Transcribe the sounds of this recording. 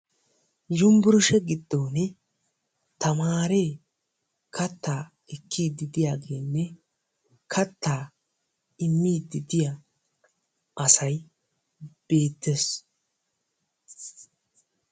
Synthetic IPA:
jʊmbʊɾʊʃɛɡɪd̪ːoːnɛ | t̪ɐmaːɾe̞ː | kʰɐt̪ːaː | ɛkʰːiːd̪ɪd̪ɪjaːɡe̞ːnːɛ | kʰɐt̪ːaː | ɪmːiːd̪ɪd̪ɪja | ʔɐsɐj | b̥e̞ːt̪ːes

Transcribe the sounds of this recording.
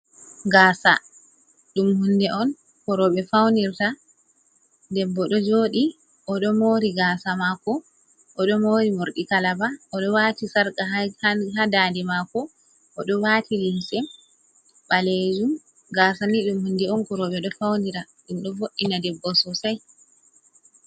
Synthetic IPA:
ɡaːsa̰ | ɗumhundɛʔɔn | kɔɾɔɓɛfawniɾta | dɛbːɔɗɔd͡ʒoɗi | ʔɔɗɔmoɾiɡaːsamakɔ | ʔɔɗɔmoːɾimoɾɗikalabaɔɗɔwaːtisaɾkahhadadɛmakɔ | ʔːɗɔwatʰilinsɛm | ɓaled͡ʒum | ɡaːsaniɗumhundɛɔnkɔɾɔɓɛɗɔfawniɾa | ɗunɗɔvoɗːinadɛbːɔsɔsaj

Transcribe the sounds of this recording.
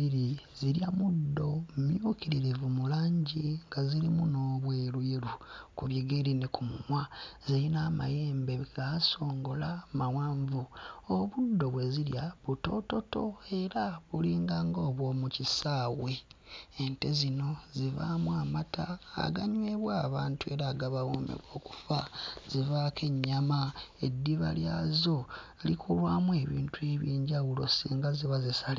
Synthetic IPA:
iɾiziɾjamudːo̞mjukiɾiɾevumulaːɲɟiŋɡazilimuno̞ːβweːɾujiɾukuβjiɡeɾinekʰumumwazilinaːma̰jeːmbe̞ɡaso̞ːŋɡo̞lamawaːɱvuoβudːo̞βwe̞ziljaβuto̞to̞to̞e̞ɾaβuliːŋɡaːŋɡo̞ːβwo̞ːmucisaːwe̞ː | nte̞zino̞ziβa̰mwaːmata̰ːɡaɲwe̞βwaːβaːntue̞ɾaɡaβawoːmḛβo̞ːku̥faz̥ivakʰe̞ɲːamae̞dːiβa̰ljazo̞ | likʰulwaːmwe̞βiːntue̞βjiːɲɟawulo̞̰siːŋɡaziβazisali

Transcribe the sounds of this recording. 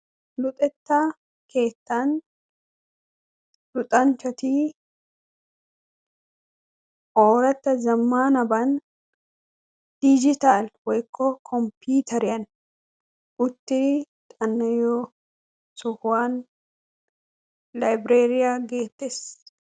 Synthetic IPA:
lʊt̪ʼɛt̪ːaː | ke̞ːt̪ːaːn | lʊt̪ʼɐnt͡ʃɐt̪iː | ʔoːɾɐt̪ːɐzɐmːaːnɐbɐn | d̪̥id͡ʒɪt̪aːlwɐjɪkʰːɔːkʰɔmpuːt̪ʰɐɾɪɐn | ʊt̪ːɪt̪ʼɐnːɐjo | sʊhʊaːn | lɐjbɾeːɾɪjaːɡe̞ːt̪ːɛs

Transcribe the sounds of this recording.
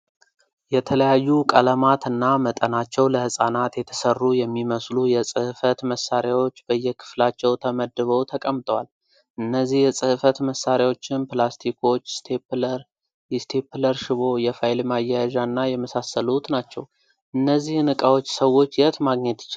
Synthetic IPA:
jɛt̪ʰələjajːukʼələmat̪ʰɨnːamət̪ʼənat͡ʃːɛwləhɨsʼanat̪jɛt̪ʰə̥sərːujɛmːiməslujɛsʼɨhfət̪məsːaɾjawo̞t͡ʃːbəjːɛkʰɨ̥flat͡ʃːɛwt̪ʰəməd̪ːɨβəwt̪ʰəkʼəmːt̪ʼəwal | ʔɨnːəzːihjɛsʼɨhfət̪məsaɾjawo̞t͡ʃːɪnplast̪ʰikʰo̞t͡ʃːst̪ʰeplɾ | jɛst̪ʰe̞pʰləɾʃɪβo̞jɛfajlmajːajʒanːajɛməsasːəlut̪nat͡ʃːɛ̰w | ʔɨnːəzːihnɨkʼawo̞t͡ʃːsəwo̞t͡ʃːjɪət̪maɡɲɛt̪ɪ̥t͡ʃːɪ

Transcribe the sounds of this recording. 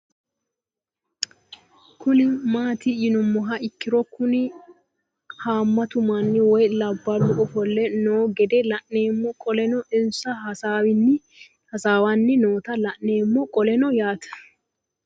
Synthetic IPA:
kʊnɪmaːt̪ɪɪnʊmːɔɦɐɪkːɪɾɔkːʊnɪ | haːmːɐt̪ʊmanːɪwɔjlɐbːɐlʊʔɔfɔlːɛnoːɡɛd̪ɛlɐʔneːmːɔkʼɔlɛnɔʔɪnsɐhɐsaːwɪnːɪ | hɐsaːwanːɪnoːt̪ɐlɐʔne̞ːmːɔkʼɔlɛnɔjaːt̪ʰɐ̥

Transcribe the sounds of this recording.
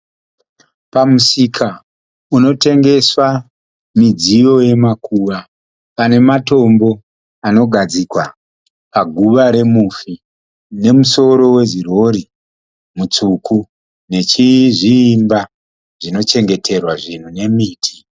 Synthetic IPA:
pamusikʰa | uno̞te̞ŋɡe̞swa | mid͡zijo̞je̞makʰuʋa | pane̞mato̞mbo̞ | ano̞ɡʱad͡zikwa | paɡʱuʋaɾe̞mufi | ne̞muso̞ɾo̞we̞ʐiro̞ɾi | mut͡sukʰu | ne̞t͡ʃiʐiːmba | ʐ̥ino̞t͡ʃe̞ŋɡe̞tʰe̞rwaʐin̤une̞miːtʰi̥

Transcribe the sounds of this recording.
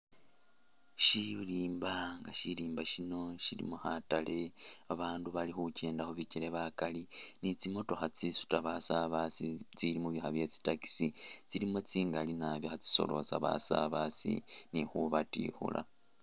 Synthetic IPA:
ʃiliːmbaŋɡaʃiɾiːmbaʃino̞ʃilḭmohatale̞aβaːnduβalixucʰe̞ːndaxoβiciɾe̞βakalinit͡simo̞to̞xat͡sisu̥taβasaβasit͡silimuβjixaβje̞t͡si̥taki̥sit͡silimot͡siːŋɡalinaβjoxat͡si̥so̞̰lo̞̰sa̰βa̰sa̰βasḭnixuβatḭxṵla̰

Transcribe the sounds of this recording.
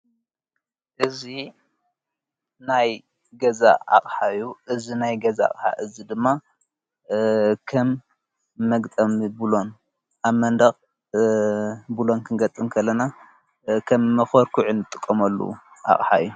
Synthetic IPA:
ʔɨzi | naj | ɡɐza̰a̰χʼħajuʔɨzinajɡɐzaa̰qʼħa̰ʔɨzid̪ɨmːa | kʰɐmː | ɐɡt̪ʼɐmibɨlo̞n | ʔaβmɐnd̪ɐχʼ | bɨlo̞nkʰɨnɡɐt̪ʼːɨmkʰɐlːɐna | kʰɐmːɐxɐɾkʰuʕɨnɨt̪ʼɨkʼːɐmɐlːṵ | ʔa̰χʼħa̰jːu

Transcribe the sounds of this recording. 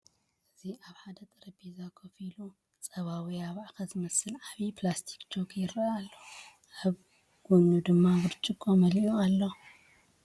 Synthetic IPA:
ʔɨziaβħad̪ɐt̪ʼɨɾɐbizakʰofilu | t͡sʼɐβawijaβʕaxɐzɨmɐsɨlʕaβiplast̪ʰi̥kt͡ʃoɡjɪɾaalːo | aβ | ɡ̥onud̪ɨmːabɨɾt͡ʃʼɨkʼːomɐliualːo

